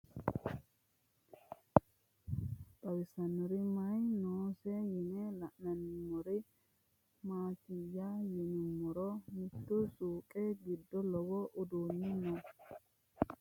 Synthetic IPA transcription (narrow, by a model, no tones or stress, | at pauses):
bɐwɪsɐnɔɾɪmɐajnoːsɛjɪnɛlɐʔnɐnɪmːɔɾɪ | maːt̪ɪjːajɛnɪmːɔɾɔmɪt̪ːʊsuːkʼɛɡɪd̪ːɔlɔbɔʔʊd̪uːnːɪnɔ